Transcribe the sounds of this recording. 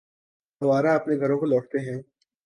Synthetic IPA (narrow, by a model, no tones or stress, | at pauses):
ɦɐʋaːɾaɐpneɡʱɐɾõkolɔːʈt̪eɦɛ̃ː